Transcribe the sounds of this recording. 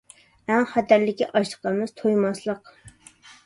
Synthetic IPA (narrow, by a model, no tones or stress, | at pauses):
ɛŋχæt̪ʰæɾlɪkʲːɛʔɑʃlə̥qɑmɨz̥t̪ʰojmɑslˠəq